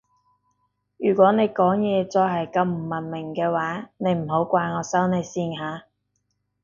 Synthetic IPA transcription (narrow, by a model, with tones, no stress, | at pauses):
jyː˨˩kʷwɔː˨˥ne˨˧jkɔː˨˥ŋjɛː˨˧t͡sɔː˧ɦɐ˨jkɐ˧wm̩˨˩mɐ˨˩nmɪ˨˩ŋkɛː˧waː˨˥ne˨˧jm̩˨˩ɦo˨˥wkʷaː˧jŋɔː˨˧sɐ˥wne˨˧jsiː˧nɦaː˨˧